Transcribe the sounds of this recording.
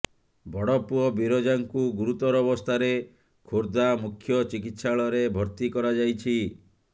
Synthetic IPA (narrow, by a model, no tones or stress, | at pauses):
bʱɔɽɔpuɔbiɾɔd͡ʒaŋkuɡuɾut̪ɔɾɔbɔst̪ʰaɾe | kʰoɾd̪amukʰːjɔt͡ʃikit̪saɭɔɾebʱɔɾt̪ikɔɾad͡ʒajt͡ʃʰi